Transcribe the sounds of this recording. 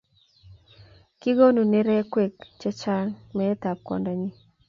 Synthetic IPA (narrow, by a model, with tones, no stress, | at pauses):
kɪ˦ɡo˦nu˨nɪ˦ɾɛ˦kwe˨kt͡ʃɛ˦t͡ʃa˦ŋmɛ˨ɛ˦t̪a˨p̚kɔ̰˨nda˨ɲi˦